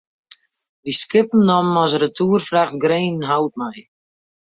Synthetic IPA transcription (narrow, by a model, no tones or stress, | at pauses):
diskɪpən̩nɔmɔsrətʰuːərfraχtɡreːnnɦawt̚mɛj